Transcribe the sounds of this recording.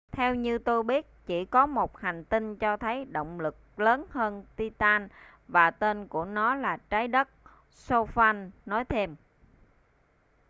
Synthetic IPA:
t̪ʰɛ˧wɲɨ˧t̪o˧jɓi˦˥ət̚t͡ɕi˧˩kɔ˨˦mo˨˩t̚ha˨˩ŋ̟t̪i˧ŋt͡ɕɔ˧t̪ʰə˨˦jɗo̰˧˨wŋ͡mlɨ˨˩k̚ləː˨˦nhəː˧nt̪i˧t̪aː˧n | vaː˨˩t̪e˧nku˧˩ənɔ˨˦laː˨˩t͡ɕaː˨˦jɗə˦˥t̚ | so˧faː˧nːɔ˨˦jt̪ʰe˧m

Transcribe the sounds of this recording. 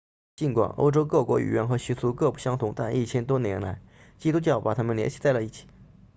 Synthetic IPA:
t͡ɕi˧˥nkwa̰˨˩no̰˥ʊʈ͡ʂo˥ʊkɤ˥˩kwɔ̰˧˥y̰˨˩ɥɛ̰˧˥nxɤ˧˥ɕi˧˥t͡sʰu˧˥kɤ˥˧pu˥˩ɕjɑ˥ŋt̪ʰʊ˧˥ŋt̪a˥˧nʔi˥˩t͡ɕʰjɛ˥nt̪wɔ˥njɛ˧˥nla˧˥ɪ | t͡ɕi˥t̪u˥t͡ɕjɑ˥˩ʊpa˨˩t̪ʰa˥mə˨nljɛ˧˥nɕi̥˧˥t͡sa˥˩lə˩i˥˩t͡ɕʰi̥˨˩˦

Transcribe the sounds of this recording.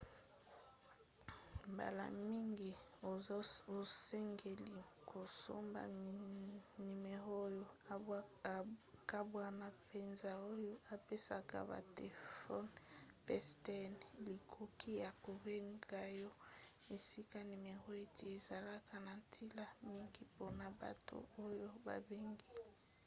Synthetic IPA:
mba̰˨la̰˨mi˦ŋɡi˨˦ | o˦sɛ˦ŋɡe˨li˨kʰo˨so̰˦mba̰˨ni˨me˨ʁo˦jo˦ | ka˦bwa˦na˨pe˨nza˨o˦jo˦ʔa˨pe˦sa̰˨ka̰˨ba̰˨te˨fɔ˦npɛ˦stɛ˦nli˨kʰo˦ki˦ja˨ko˨be˦ŋɡa˦jɔ˦e˨si˦ka˦ni˨me˨ʁo˦e˨te˨e˨za˨la˦kʰa˨na˨ntʰi˦la˦mi˦ŋɡi˦po˦na˨ba̰˨to̰˦o˦jo˦ba̰˨be˦ŋɡi˦

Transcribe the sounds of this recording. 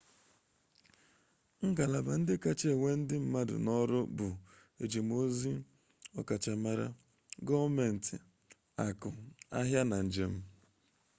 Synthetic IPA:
ŋ̩˦ɡa˨la˨ba˨n̩˦dɪ˦ka˦t͡ʃe˦e˨ŋʷe˦n̩˦dɪ˦m̩˨ma˦dʊ̰˨nɔ˦ɾʊ˦bʊ˨ | e˨d͡ʒe˨m˦o˦zi˦ | ɔ˦ka˨t͡ʃa˨ma˨ɾa̰˦ | ɡɔ˦me˨n̩˨tɪ˨ | a˨kʊ˨a̰˦ɦja˦na˨n̩˨d͡ʒe˦m̩˦

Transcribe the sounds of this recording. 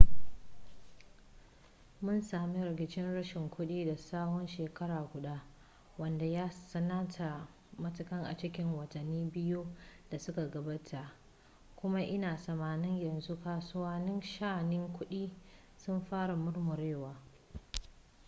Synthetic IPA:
mʊ˦nsaː˨mi˦ɾɪ˨kʲɪ˨t͡ʃɪ˦nɽɐ˦ʃɪ˨ŋkʷʊ˦ɗiː˦da˨saː˦hɔ˦nʃeː˨kɐ˦ɽaː˨ɡʷʊ˨ɗa˦ | wɐ˦nda˨jaː˦sɐ˦na˦tʰa˨ | mɐ˦tʊ˦kɐ˦ŋʔa̰˨t͡ʃɪ˦kʲɪ˦ŋwɐ˨tɐ˨nːiː˦bɪ˦ju˦d̥a˨sʊ˦ka˨ɡɐ˨baː˦tʰa˨ʔ | kʷʊ˦ma˦ʔɪ˦naː˨sɐ˨maː˨nɪ˦ɲjɐ˨nzu˦kaː˨sʊ˦waː˦nɪ˦nʃaː˦˨nɪ˦ŋkʷʊ˦ɗiː˦ | sʊ˦mɸaː˦ɽa˨mʊ˦rmʊ˨ɾeː˦˨waː˨

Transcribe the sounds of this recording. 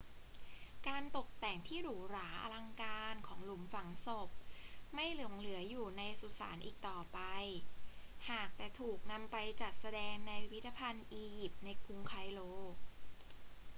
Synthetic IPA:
kaː˧nt̪o˨˩k̚t̪ɛː˨˩ŋt̪ʰiː˥˩ɾuː˨˩˦ɾaː˩˦ʔa̰˧la˧ŋkaː˧nkʰɔː˩˦ŋlu˩˦mfa˩˦ŋso˨˩p̚ma˥˩jlɯ˩˦ŋlɯ˩˦ɐjuː˨˩na˧jsu˨˩sa̰ː˩˦nʔiː˨˩k̚t̪ɔː˨˩pa˧j | haː˨˩k̚t̪ɛː˨˩t̪ʰuː˨˩k̚na˧mpa˧jt͡ɕa˨˩t̪̚sa˧dɛː˧ŋna˧jpʰi˦˥t̪ʰːa˧pʰa˧nʔiː˧ji˨˩p̚t̪̚na˧jkʰu˧ŋkʰa˧jloː˧˥k̚

